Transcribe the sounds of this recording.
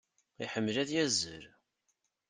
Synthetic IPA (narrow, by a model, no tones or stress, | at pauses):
iħəmːlæðjæzəɾ